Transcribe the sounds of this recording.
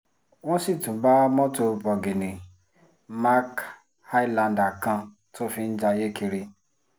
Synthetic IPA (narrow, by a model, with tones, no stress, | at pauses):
w̃ɔ̃˦si˦˨tũ˨˦ba˦mɔ̃˦to˧bɔ˨ɡe˨nĩ˨ | ma˦k | ha˦i˦lã˧nda˨kã˧ | tʰo˦fi˧n̩˦d͡ʒa˧je˦ki˧ɾi˧